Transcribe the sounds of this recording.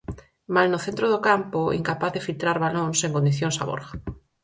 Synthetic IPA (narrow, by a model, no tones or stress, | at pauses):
malnoθent̪ɾoðokampoḭŋkapaθðefilt̪ɾaɾβalõŋseŋkõnd̪iθjõŋsa̰βo̰ɾɣa